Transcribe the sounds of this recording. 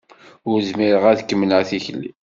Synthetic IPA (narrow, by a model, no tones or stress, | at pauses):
ʊɾzmiɾəʁæðkːəmːnəθiçəlːḭ